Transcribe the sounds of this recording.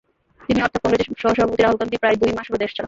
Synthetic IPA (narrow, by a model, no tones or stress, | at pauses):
t̪iniɔɾt̪ʰokɔŋɾed͡ʑeʃɔɦoʃɔbʱapot̪iɾaɦolkampipɾajd̪ujmaʃoɾod̪eʃt͡ɕala